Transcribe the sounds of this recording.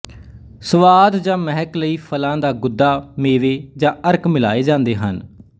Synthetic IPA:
səʋaːd̪d͡ʒãːməɦɛkləiːpʰəlãːd̪aːɡʊd̪ːaːmeːʋeːd͡ʒãːʔəɾkmɪla̰ːeːd͡ʒãːnd̪eːɦə̰n

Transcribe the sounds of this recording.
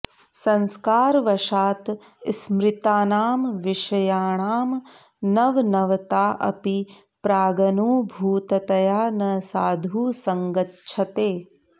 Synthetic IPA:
sɐ̃nskaːɾʋɐʃaːt̪ | smɾɪt̪aːnaːmʋiʃɐjaːɳaːm | nɐʋnɐʋɐt̪aːʔɐ̰pi | pɾaːɡɐnuːbʱuːt̪ɐt̪ɐjaːnɐsaːd̪ʱuːsɐŋɡɐtːʃʰɐt̪eː

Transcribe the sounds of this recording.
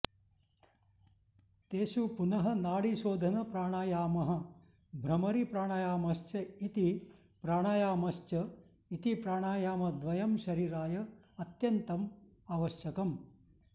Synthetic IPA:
t̪eːʃupunɐɦɐ̆naːɽiʃoːd̪ʱɐnɐpɾaːɽ̃aːjaːmɐɦɐ̆ | bʱɾɐmɐɾipɾaːɽ̃aːjaːmɐʃt͡ʃɐit̪i | pɾaːɽ̃aːjaːmɐst͡ʃɐ | it̪ipɾaːɽ̃aːjaːmɐd̪ʋɐjɐmʃɐɾiːɾaːjɐ | ɐt̪jɐnt̪ɐm | aːʋɐʃjɐkɐm

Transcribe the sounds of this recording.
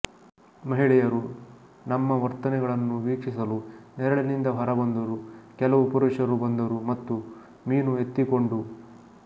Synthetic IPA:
mɐɦiɭɛjɐɾu | nɐmːɐʋɐɾt̪ɐnɛɡɐɭɐnːuʋiːkʂisɐlunɛɾɐɭenind̪ɐbʱɐɾɐbɐnd̪ɐɾukɛlɐʋupuɾeʂɐɾubɐnd̪ɐɾumɐt̪ːu | miːnuɦet̪ːiko̞ɳɖu

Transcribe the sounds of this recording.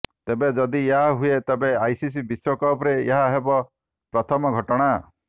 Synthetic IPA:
t̪ebed͡ʒɔd̪ieɦaɦuet̪ebeajsis̬ibiswɔkɔpɾeeɦaɦebɔ | pɾɔt̪ʰɔmɔɡʱɔʈɔɽ̃a

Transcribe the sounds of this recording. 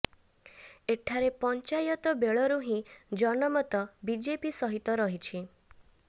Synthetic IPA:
eʈʰaɾepɔnt͡ʃajɔt̪ɔbeɭɔɾuɦĩd͡ʒɔnɔmɔt̪ɔbid͡ʒepisɔɦit̪ɔɾɔɦit͡ʃʰi

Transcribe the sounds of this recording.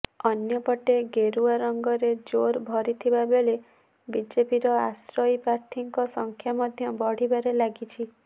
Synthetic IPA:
ɔnjɔpɔʈeɡeɾuaɾɔŋɡɔɾed͡ʒoɾbʱɔɾit̪ʰibabele | bid͡ʒepiɾɔasɾɔjipɾaɾt̪ʰiŋkɔsɔŋkʰjamɔd̪ʱjɔbɔɽ̤ibaɾelaɡit͡ʃʰi

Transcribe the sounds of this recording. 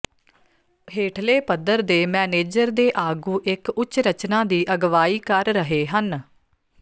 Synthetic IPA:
ɦeːʈʰleːpəd̪əɾd̪eːmɛːneːd͡ʒəɾd̪eːʔaːɡũːʔɪkʊt͡ʃɾət͡ʃnãːd̪iːʔəɡʋaːiːkəɾːəɦeːɦən

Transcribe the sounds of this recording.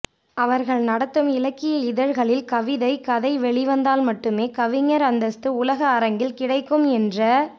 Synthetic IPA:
ɐʋɐɾɣɐɭnɐɽɐt̪ːɯmɪlɐkːɪjɐɪðɐɾɣɐɭɪlkɐʋɪðɐɪkɐðɐɪʋɛɭɪʋɐnd̪aːlmɐʈːɯmeːkɐʋɪɲːɐɾɐnd̪ɐst̪ɯʊlɐɣɐːɾɐŋɡɪlkɪɽɐɪkːɯmɛndrɐ

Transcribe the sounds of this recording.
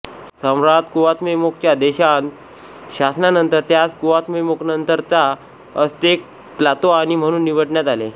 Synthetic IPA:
səmɾat̪kuʋat̪memok̚t͡ɕjad̪eɕan | ɕasnanənt̪əɾt̪jad͡zkuʋat̪memoknənt̪əɾt̪a | əst̪ek̚ | plat̪oaɽ̃im̤əɽ̃uːnːiʋəɽɳjat̪ale

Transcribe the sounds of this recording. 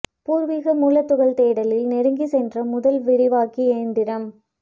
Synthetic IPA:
puːɾʋiːɣɐmuːlɐt̪ːʊɣɐɭt̪eːɽɐlɪlnɛɾɯŋɡisɛndrɐmʊðɐlʋɪɾɪʋaːkieːɳɖɪɾɐm

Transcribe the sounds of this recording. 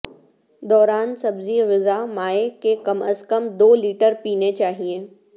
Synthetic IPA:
d̪ɔːɾaːnsɐbziɣɪzamaːekekɐməskəmd̪oːliːʈəɾpiːnet͡ʃaːɦieː

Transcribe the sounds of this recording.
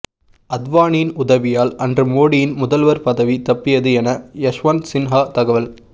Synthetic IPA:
ɐd̪ʋaːninʊðɐʋɪjaːlɐndrɯmoːɽɪjɪnmʊðɐlʋɐɾpɐðɐʋit̪ɐpːɪjɐðɯɛnɐjɐʂʋɐnsɪnɦaːt̪ɐɣɐʋɐl

